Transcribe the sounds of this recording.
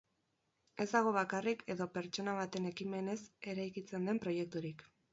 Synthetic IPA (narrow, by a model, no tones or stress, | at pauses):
e̞zd̪aɣ̞o̞β̞akarikʰe̞ðo̞pe̞ɾt͡ʃo̞naβ̞at̪e̞ne̞kime̞ne̞se̞ɾajkit͡se̞nd̪e̞mpɾo̞je̞k̚t̪uɾik